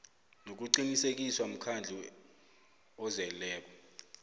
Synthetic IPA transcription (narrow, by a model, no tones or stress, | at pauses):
nok̬uǀinisek̬iswam̩kʰand͡ɮʱi | ɔzɛlɛːk̬ɔ